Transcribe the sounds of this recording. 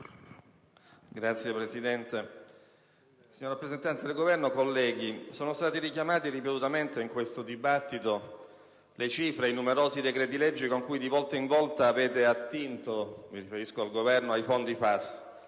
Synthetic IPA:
ɡɾat̪sjepɾesid̪ɛnt̪e | siɲːoɾrapːɾezent̪ant̪ed̪elɡovɛrnokolːɛːɡ̟isoːnost̪aːt̪iɾikjamaːt̪iripet̪ut̪ament̪eiŋkwest̪od̪ibat̪ːit̪o | let͡ʃifɾejnumeɾoːzid̪ekɾet̪̬iled͡ʒːikoŋkujd̪ivɔlt̪aiɱvɔlt̪aːveːt̪eat̪ːint̪omiɾifeɾiskoalɡovɛrnoajfond̪ifas

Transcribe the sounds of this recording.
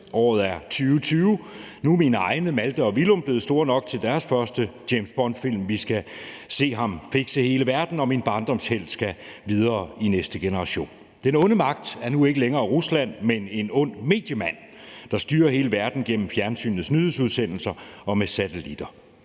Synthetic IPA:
ʔɒ̰ːð̩ˠæɐt͡sʰyːʊt͡sʰyːʊ | numinəɑ̈ɪnəmæld̥əɒ̽ʋilɔ̽mb̥le̝ːð̩ˠsd̥o̝ɐnɒ̽ɡ̥̚t͡sʰe̝ld̥æɐsfɶɐsd̥əd̥jemsb̥ɒnd̥fil̰mʋisɡ̥æ | se̝̰ːɦɑ̈mfeɡ̥səhe̝ːləʋæɐd̥n̩ɒ̽minb̥ɑ̈nd̥ɒ̽m̰shel̰sɡ̥æʋið̞ˠʁɐːinesd̥əɡ̥enəʁɑ̈ɕo̝̰ːn | d̥enɔ̽nəmɑ̈ɡ̥̚d̥æɐnue̝ɡ̥əleŋɐːʁuslæn̰mene̝nɔ̽n̰me̝̰ːd̥jəmæn̰ | d̥ɑ̈sd̥yːɐhe̝ːləʋæɐd̥n̩ɡ̥en̰m̩fjæɐnsy̰ːnð̩ˠsnyð̩ˠsuðˠsen̰l̩sɐɒ̽mesæt͡sʰelid̥ɐ

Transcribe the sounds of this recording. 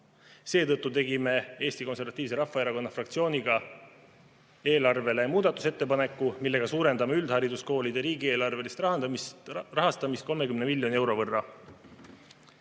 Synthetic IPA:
se̞ːt̪ɤt̪ˑːut̪e̞ɡime̞e̞ːst̪iko̞nse̞rvɑt̪ːˑiːvse̞ɾɑfːɑeɾɑko̞nːɑfrɑk̚t̪sio̞ːniɡ̥ɑ | e̞ːlɑrve̞le̞muːd̪ɑt̪ːˑu̥se̞t̪ːe̞pɑne̞kːˑumilːe̞ɡ̥ɑsuːɾe̞nd̪ɑmeyld̪̥hɑɾid̪usko̞ːlid̪e̞ɾiːɡie̞ːlɑrve̞list̪ | rɑɦɑst̪ɑmist̪̚ko̞lme̞kymne̞milʲːjo̞nie̞wɾo̞vɤrːɑ

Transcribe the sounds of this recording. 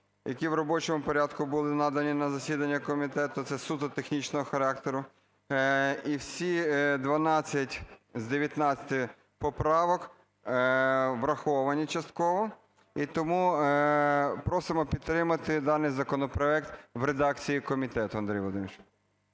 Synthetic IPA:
jɐkʲiwɾɔbɔt͡ʃɔmʊpɔɾʲɑd̪kʊbʊlˠɪnɑd̪ɐnʲinɐzɐsʲid̪ɐnʲːɐkɔmʲit̪ɛt̪ʊt̪sɛsut̪ʊt̪exnʲit͡ʃnɔɦɔxɐɾɑk̚t̪eɾʊ | iwsʲid̪ʋɐnɑt͡sʲːɐtʲzd̪eʋʲjɐt̪nɑt͡sʲɐ̥t̪ɪ | pɔpɾɑʋɔk | ʋɾɐxɔʋɐnʲit͡ʃɐst̪kɔʋɔ | it̪ɔmu | pɾɔsɪmɔpʲid̪t̪ːɾɪmɐt̪ɪd̪ɑnɪjzɐkɔnɔpɾɔɛkt̪ʋɾed̪ɑkt͡sʲijikɔmʲit̪ɛt̪ʊɐnd̪ɾʲijʋlˠd̪ɪ̰mʲt͡ʃ

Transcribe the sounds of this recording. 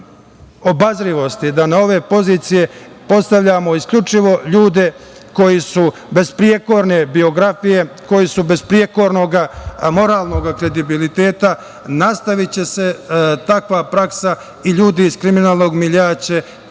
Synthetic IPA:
o̞bazɾiʋo̞st̪id̪anao̞ʋepo̞ziːt̪sije̞ | po̞t̪st̪aʋʎaːmo̞iskʎʲut͡ʃiʋo̞ʎuːd̪e̞ | ko̞jisube̞zpɾijeko̞ɾne̞bio̞ɡɾafije̞ko̞jisube̞zpɾijeko̞ɾno̞ɡamo̞ɾaːlˠno̞ɡakɾe̞d̪ibilit̪e̞ːt̪a | nast̪aʋit͡ɕe̞se̞t̪akʋaːpɾaksa | iʎuːd̪iːz̥kɾiminaːlˠno̞ːɡmiʎaːt͡ɕe

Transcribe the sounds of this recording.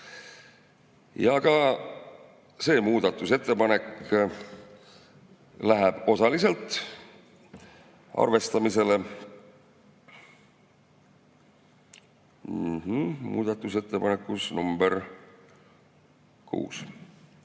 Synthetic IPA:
jɑkɑ | se̞ːmuːd̪ɑt̪ːˑuse̞t̪ːe̞pɑne̞k | læɦeb̥o̞sɑlise̞lt̪ːˑ | ʔɑ̰rve̞st̪ɑmise̞le̞ | h̩mṵːd̪̥ɑt̪ːˑuse̞t̪ːe̞pɑnekːˑusnumber | kʰṵːs

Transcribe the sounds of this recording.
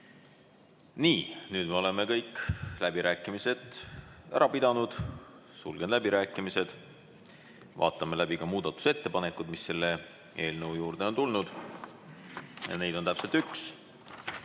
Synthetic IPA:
niːnyːd̪̥me̞o̞le̞me̞kɤjkːlæbiɾæːkːˑimise̞d̪æ̰ɾʔɑpid̪ɑnud̪̥sulɡ̥elæbiɾæːkːˑimise̞d̪̥ | vɑ̰ːt̪ːˑɑmelæbikɑmuːd̪̥ɑt̪ːˑu̥se̞t̪ːe̞pɑne̞kːˑud̪misːe̞lːe̞ | ʔeːlnəwjuːɾrd̪̥e̞o̞nt̪ulnud̪̥ | jɑ̰ne̞jd̪̥o̞nt̪æpse̞lt̪yks

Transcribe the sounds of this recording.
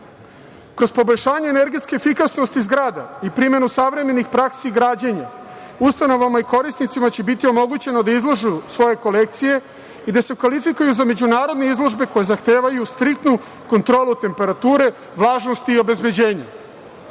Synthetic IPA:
kɾo̞spo̞bo̞ʎʲʃaːɲeːne̞ɾɡet̪ske̞fikasnost̪izɡɾaːd̪a̰ipɾime̞nusaʋɾe̞me̞nixpɾaksiːɡɾaːd͡ʑeɲa | ust̪ano̞ʋamaiko̞ɾisnit̪simat͡ɕe̞bit̪io̞mo̞ɡut͡ɕe̞nod̪aizlˠoʒusʋo̞je̞ko̞le̞k̚t̪sije̞ | id̪asekʋalifikujuzame̞d͡ʑunaːɾo̞d̪neizlˠo̞ʒbe̞ko̞je̞zaxt̪e̞ːʋajust̪ɾik̚t̪nu | ko̞nt̪ɾo̞ːlˠut̪e̞mpe̞ɾat̪uːɾe̞ | ʋlˠaːʒno̞st̪iːo̞be̞zbe̞d͡ʑe̞ːɲa̰

